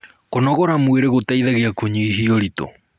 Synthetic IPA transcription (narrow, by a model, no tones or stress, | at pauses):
konɔɣɔɾamweɾeɣotaiðaɣeakoɲiiɦiɔɾito̰